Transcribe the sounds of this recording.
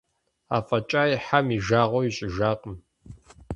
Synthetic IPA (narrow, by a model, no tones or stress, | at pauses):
a̰ːfʼɐt͡ʃʼaːjħamiʒaːʁʷɔwiɕʼɪʒaːqʼəm